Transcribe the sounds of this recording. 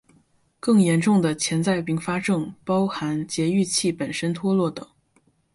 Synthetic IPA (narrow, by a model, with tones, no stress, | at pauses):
kɤ˥˩ŋjɛ˧˥nʈ͡ʂʊ˥˩ŋd̪ə˩t͡ɕʰjɛ˧˥nt͡sa˥˩ɪpi˧˥ŋfa˥ʈ͡ʂɤ˥˩ŋpɑ˥ʊxa˧˥nt͡ɕjɛ˧˥y˥˧t͡ɕʰi˥˩pə˨˩nʂə˥nt̪ʰwɔ˥lwɔ˥˩t̪ɤ̰˨˩˦ŋ